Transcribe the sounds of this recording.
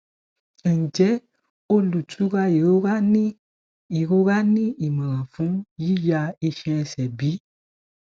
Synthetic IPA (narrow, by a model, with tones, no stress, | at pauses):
n̩˨d͡ʒɛ˨˦ | o˧lu˨tʰu˨˦ɾa˧i˨ɾo˦ɾa˦nĩ˦ | i˨ɾo˦ɾa˦nĩ˦i˨mã˨ɾã˨fũ˦ji˦ja˧i˧ʃɛ̃˧ɛ˧sɛ˨bi˨˦